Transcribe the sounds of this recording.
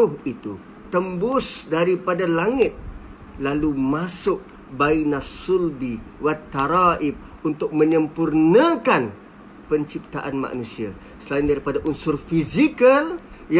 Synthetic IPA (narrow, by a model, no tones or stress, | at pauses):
ʊhit̪u | t̪əmbʊsdaɾipadalaŋɪt̪̚ | lalumasʊk̚ | bainasʊlbiwat̪ːaɾaʔɪp̚unt̪ʊk̚mə̃ɲəmpurnãkan | pəɲt͡ʃip̚t̪aʔanma̰ʔnũsia | səlaɪindaɾipadaʔunsʊrfizikəlj